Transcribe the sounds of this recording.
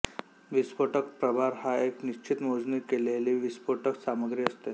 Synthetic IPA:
ʋispoʈəkpɾəbʱaɾhaekniɕt͡ɕʰit̪mod͡zniːkeleliːʋispoʈəksaməɡɾiːəst̪e

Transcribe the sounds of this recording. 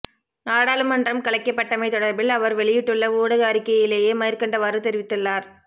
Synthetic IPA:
naːɽaːlɯmːɐndrɐmkɐɭɐɪkːɐpːɐʈːɐmɐɪt̪ːɔɽɐɾbɪlɐʋɐɾʋɛɭɪjɪʈːɯɭːɐuːɽɐɣaːɾɪkːɐjɪleːjeːmɐjɐɾkɐɳɖɐʋaːɾɯt̪ɛɾɪʋɪt̪ːɯlːaːɾ

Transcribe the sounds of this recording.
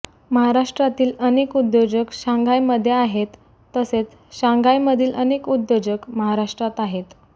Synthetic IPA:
məɦaɾaʂʈɾat̪iːlənekud̪jod͡ʑəkɕãŋɡʱajməd̪ʱːjeaɦet̪ː | əset͡s | ɕãŋɡʱajməd̪ʱiːlʔəneːkud̪ːod͡ʑəkməɦaɾaʂʈɾat̪aɦet̪

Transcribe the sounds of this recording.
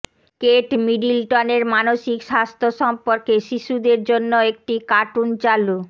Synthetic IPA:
keʈmiɖilʈɔneɾmanoʃikʃast̪ʰoʃɔmpoɾkeʃiʃud̪eɾd͡ʑonːoek̚ʈikaʈunt͡ɕalu

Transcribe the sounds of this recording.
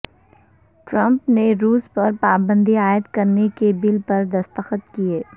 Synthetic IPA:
ʈɾɐ̃mpneɾuːspɐɾpaːbə̃nd̪iaːɪd̪kɐɾnekebɪlpɐɾd̪ɐst̪əxət̪kieː

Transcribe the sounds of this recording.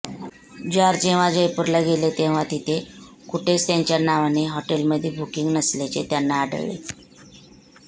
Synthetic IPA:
d͡ʑaɾd͡ʑeʋ̤ad͡ʑəjpuɾlaɡelet̪eʋ̤at̪it̪ʰe | kuʈʰet͡st̪jaɲt͡ɕjanaʋaneɦɔʈelməd̪ʱːjebʱukiŋɡnəslet͡ɕet̪janːaːɽə̰ɭːḛ

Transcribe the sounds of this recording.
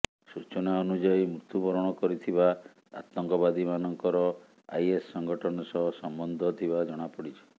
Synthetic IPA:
sut͡ʃɔnaɔnud͡ʒajmɾut̪upɔɾɔɽ̃ɔkɔɾit̪ʰiba | a̰t̪ɔŋkɔbad̪imanɔŋkɔɾɔ | a̰jesːɔŋɡɔʈʰɔɽ̃ɔsɔɦsɔmbɔnd̪ʱɔt̪ʰibad͡ʒɔɽ̃apɔɽit͡ʃʰi̥

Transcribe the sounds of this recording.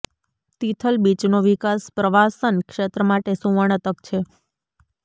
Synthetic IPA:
t̪it̪ʰəlbit͡ʃnoʋikaspɾəʋasənkʃet̪ɾəmaʈesũʋəɳ̃ət̪əkt͡ʃʰe

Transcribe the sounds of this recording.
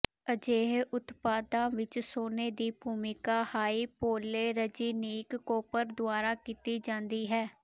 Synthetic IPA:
əd͡ʒeːɦʔʊt̪paːd̪ãːʋɪt͡ʃsoːneːd̪iːbʱuːmɪkaːhaːiːpoːleːɾəd͡ʒiːniːkːoːpəɾd̪ʊaːɾaːkiːt̪iːd͡ʒãːnd̪iːɦɛː

